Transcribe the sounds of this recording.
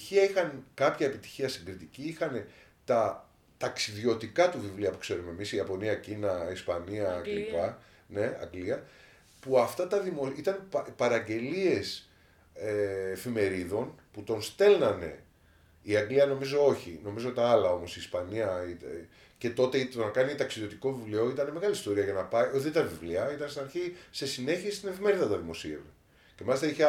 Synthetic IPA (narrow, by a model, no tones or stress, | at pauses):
içiɐixɐnkɐpçɐepit̪i̥çiɐsiŋɡɾit̪iciixɐne̞ | t̪ɐ | t̪ɐksiðʝo̞t̪ikɐt̪uvivliɐpukse̞ɾume̞misiɐpo̞niɐcinɐispɐniɐlipɐ | ne̞ɐ̰ŋɡliɐ | puɐft̪ɐt̪ɐðimo̞it̪ɐnppɐɾɐɟe̞lie̞s | eːfime̞ɾiðo̞nput̪o̞nst̪e̞lnɐne̞̰ | iɐŋɡliɐno̞mizo̞o̞çino̞mizot̪ɐɐlɐo̞mo̞siːspɐniɐi | ce̞t̪o̞t̪e̞ionɐkɐnit̪ɐksiðjo̞t̪iko̞vivleoit̪ɐne̞me̞ɣɐlist̪o̞ɾiɐʝɐnɐpɐioðit̪ɐvivliɐit̪ɐnst̪inɐɾçise̞sine̞çiest̪ine̞fime̞ɾiðɐt̪ɐðimo̞siḛve | ce̞mɐlist̪ɐiçe